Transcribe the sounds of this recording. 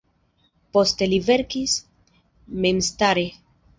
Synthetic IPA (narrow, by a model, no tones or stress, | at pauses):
po̞st̪e̞live̞ɾkis | memst̪aɾe